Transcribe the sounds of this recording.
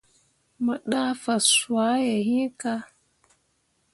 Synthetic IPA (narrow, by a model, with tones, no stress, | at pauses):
mə˨ɗa˦fa˨su˨a˨˦je˨ɦi˦ka˦